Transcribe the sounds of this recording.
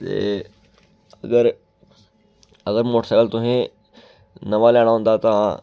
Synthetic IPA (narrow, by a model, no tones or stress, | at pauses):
t̪ḛ | əɡəɾ | əɡəɾmoːʈʰsaɡəlt̪uɦẽ | nɐʋalaɽ̃aɦʊ̃nd̪at̪ã